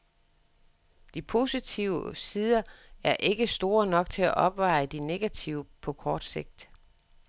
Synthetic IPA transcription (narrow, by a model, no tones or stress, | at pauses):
d̥ipʰo̝ːsit͡sʰiʊəsiːðˠɐæɐʔe̝ɡ̥əsd̥o̝ːɐnɒ̽ɡ̥t͡sʰe̝æʔɒ̽b̥ʋɑ̈ɪd̥ine̝ɡ̥æt͡sʰiʊəpʰɒ̽kʰɒːd̥se̝ɡ̥̚d̥